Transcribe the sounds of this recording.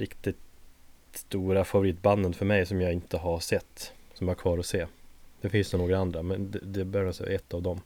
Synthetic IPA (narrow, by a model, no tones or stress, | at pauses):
ɾɪkt̪ɪt̪ | st̪uːɾafavʊɾiːt̪banːənfœɾmɛjsɔmjɑːɪnt̪əɦaʂɛt̪ːsɔmjhaɾkʰvɑːɾɔseːd̪̥ɛfɪnsnoːɡɾaand̪ɾamɛnd̪ɛd̪ɛbøːɾasɛ̰ɛt̪ːavd̪ɔm